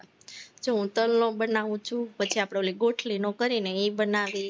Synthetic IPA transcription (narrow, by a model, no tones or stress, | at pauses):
d͡ʒoɦũt̪əlnõbənaʋũt͡ʃʰũpət͡ʃʰiapɽoliɡoʈʰlinokəɾineibənaʋi